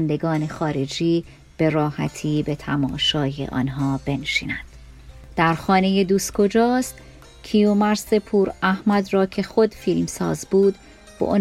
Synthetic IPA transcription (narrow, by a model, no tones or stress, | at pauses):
nd̪e̞ɡɒːne̞xɒːɾe̞d͡ʒiː | b̥e̞ɾɒːhæ̰t̪ʰiːbet̪ʰæmɒ̰ːʃɒːjḛʔɒ̰ːnɦɒːb̥e̞nʃḭːnænd̪̥ | d̪̥æɾxɒːne̞je̞d̪uːskʰo̞d͡ʒɒːst̪ | cʰijomæɾsepʰuːɾæhmæd̪rɒːcʰe̞xo̞d̪fiːlmsɒ̰ːzbuːd̪ | b̥ḛʔo